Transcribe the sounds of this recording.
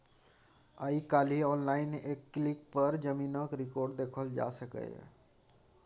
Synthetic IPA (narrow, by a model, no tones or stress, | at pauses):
aikaːliɔːnlaːɪnʔeːkːlɪk̚pəɾd͡ʒəmĩːnakɾɪkoːɾɖd̪eːkʰəld͡ʒa̰ːsəkḛ